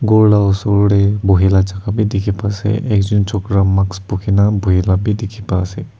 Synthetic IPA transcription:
ɡɔɾlaɔsɔɾɽebʱuɦilat͡ʃakʰabidikʰipasɛ̰ʔekd͡ʒunt͡ʃʰɔkɾamakspukʰinabʱuɦilabidikʰipasɛ

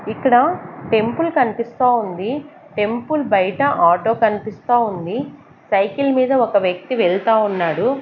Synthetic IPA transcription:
ikːɐɽɐʈe̞mpulkɐnipist̪aːund̪i | ʈe̞mpulbɐjɐʈɐʔaːʈo̞ːkɐnipist̪aːund̪i | sɐjkilmiːd̪ɐɔkɐʋjɐk̚t̪iʋɛɭt̪aːunːaːɽu

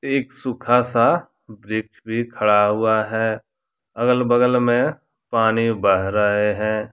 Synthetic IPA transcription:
eːksʊkʰasa | bɾɪkt͡ʃbʱikʰɐɽaɦʊaɦɛː | ɐɡəlbəɡəlmẽ | paːnibəɦɾɐɦeɦɛ̃ː

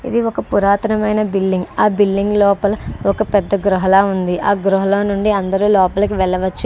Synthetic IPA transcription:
ḭd̪iɔkɐpuɾaːt̪ɐnɐmɐjnɐbilːiŋɡaːbilːiŋɡlɔːpɐlɐɔkɐpɛd̪ːɐɡɾuɦɐlaːund̪iʔaːɡɾuɦɐlɐːnuɳɖiɐnd̪ɐɾuːlɔːpɐlɐkiʋɛɭːɐʋɐt͡ʃːu

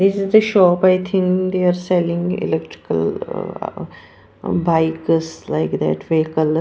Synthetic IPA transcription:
d̪ɪsɪzd̪əʃɔːpaɪt̪ʰɪ̃ŋkd̪eaɾsɛlɪ̃ŋɪ̰lɛk̚ʈɾɪ̥kə̰l̰ | baɪkslaɪkd̪ɛ̰ʈʋeːkəl

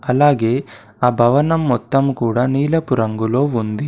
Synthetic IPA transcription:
ɐlaːɡe̞ː | aːbʱɐʋɐnɐmːɔt̪ːɐmkuːɽaːniːlɐpuɾɐŋɡulo̞ːund̪i

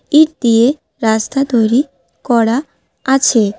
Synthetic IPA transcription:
iʈ̚d̪ije | ɾast̪ʰat̪ojɾi | kɔɽa | at͡ɕʰe

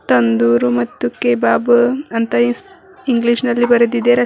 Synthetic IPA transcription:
t̪ɐnd̪uːɾumɐt̪ːukeːbaːbɨɐnt̪ɐi | iŋɡliʃnɐlːibɐɾɐd̪id̪eɾɐ

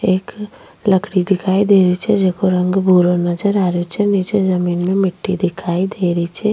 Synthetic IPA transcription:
eːk | ləkɽid̪ɪkʰaːid̪eːɾəit͡ʃʰɛd͡ʒeːkoɾɐ̃ŋɡbʱuːɾonɐd͡ʒəɾaːɾot͡ʃʰɛnit͡ʃezɐmiːnmẽmɪʈːid̪ɪkʰaːid̪eːɾəit͡ʃʰɛ

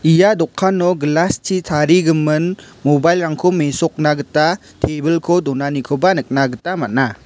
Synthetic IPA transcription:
ijadɔkʰːanɔɡlastʰitʰaɾiɡɯmɯn | mobajlɾaŋkʰɔmesɔk̚naɡɯta | tʰebɯlkʰɔdɔnanikʰɔbanɯk̚naɡɯtamat̚na

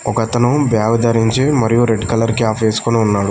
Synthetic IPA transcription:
ɔkɐt̪ɐnubjaːʋɐd̪ɐɾiɲt͡ʃimɐɾijuɾe̞ɖkɐlɐɾkjaːpʰʋeːsu̥koniunːaːɽu

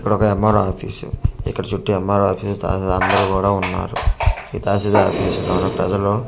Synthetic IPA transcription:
kːɐɽɔkɐemːaɾaːpʰḭːsṵḭkːɐɽɐt͡ʃuʈːiɛmːaːɾaːpʰiːst̪a̰ːsɐd̪ɐnd̪ɐɾukuːɽaːunːa̰ːɾuḭːt̪aːʃɐd̪aːpʰiːsd̪oːnɐpɾɐd͡ʒɐloː

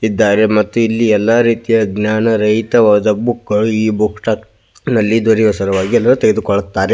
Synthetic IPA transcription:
id̪ːaːɾe̞mɐt̪ːuilːiɛlːaːɾiːt̪ijɐɡnjaːnɐɾɐɦjt̪ɐʋaːd̪ɐbukːɡɐɭuiːbʱukʂʈak | nɐlːid̪ɐɾiʋɐsɐɾɐʋaːɡiɛlːɐɾut̪eɡe̞d̪ukɔɭɐt̪ːaːɾe

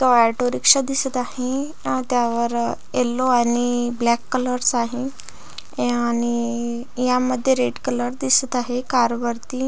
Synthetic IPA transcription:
t̪ɔɛɾʈoɾikʂəd̪isət̪aɦe | t̪jaʋəɾ | elːoaɽiblɛkːələɾsaɦe | añi | jaməd̪ʱːjeɾeɖkələɾd̪isət̪aɦekaɾʋəɾt̪i

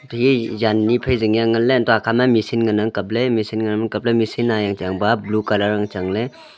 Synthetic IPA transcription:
tɦijanːipʰajziŋjaŋalːentɔakʰamamisinɡanaŋkɐp̚lemisinɡanamakɐp̚lemisinajaŋt͡ʃaŋbablukalaɾaŋt͡ʃaŋle

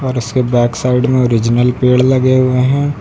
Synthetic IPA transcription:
ɔːɾʊskebɛːksaːɪɖmẽoːɾɪd͡ʒnəlpeːɽlɐɡeɦʊeɦɛ̃ː

